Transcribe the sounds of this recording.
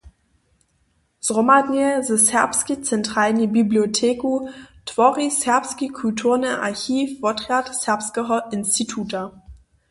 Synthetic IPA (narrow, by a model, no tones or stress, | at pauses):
z̥ʁomaniezəsɛɐpskit͡sɛntʁ̥aːlnibibliotʰeːkutʰv̥ɔʁisɛɐpskikʰultʰuːɐnəʔa̰ɐçiːfvɔtʁatsɛɐpskəɔʔɪnstʰitʰuːta